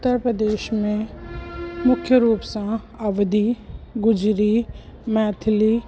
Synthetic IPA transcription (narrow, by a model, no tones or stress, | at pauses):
ʊt̪ːəɾpɾəd̪eːʃmẽ | mʊkʰjəɾuːpsã | ɐʋd̪iːɡʊd͡ʒɾiː | mɛːt̪ʰliː